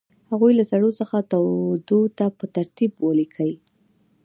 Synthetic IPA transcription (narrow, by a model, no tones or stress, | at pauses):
haɣujlasaɽosəxat̪awd̪ot̪apət̪aɾt̪ibwəlikʰəwi